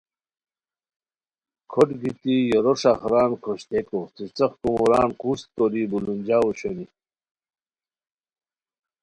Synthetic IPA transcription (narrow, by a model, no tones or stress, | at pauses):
kʰoʈɡit̪ijoɾoʂaχɾaːnkʰoɕt̪ekot͡sit͡sɐχkumuɾaːnkust̪̚koɾibulund͡ʑaːwoɕoni